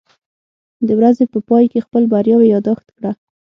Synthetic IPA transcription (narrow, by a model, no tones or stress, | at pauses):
d̪əwɾazepəpɑjkexpəlbaɾjɑwejɑd̪ɑxt̪kɽa